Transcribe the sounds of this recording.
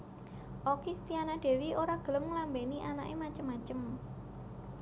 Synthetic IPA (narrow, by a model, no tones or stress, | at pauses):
ʔɔkist̪ianad̥e̤wioɾaɡ̥ə̤ləmŋəlambeniʔanaʔemat͡ʃəmːat͡ʃəm